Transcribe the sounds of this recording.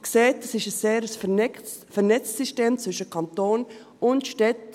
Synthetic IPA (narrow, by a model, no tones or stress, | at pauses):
kseːt̚əsɪʃəseːɾəs | fɛɾnɛt͡ssiʃteːmt͡svʏʃəkʰɑntoːn | ʊntʃtɛt